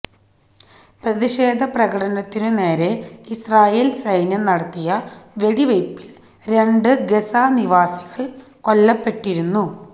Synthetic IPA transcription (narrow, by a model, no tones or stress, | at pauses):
prɐðiɕe̞ːd̪ʱɐprɐɣɐʈɐnɐt̪ːinɨne̞ːɾe̞israːjeːlsɐjnjɐnɐɽɐt̪ːijɐʋe̞ɽiʋɐjpːi̥l | ɾe̞ɳɖɨɡe̞saːniʋaːsiɣɐɭ | ko̞lːɐpːe̞ʈːiɾunːu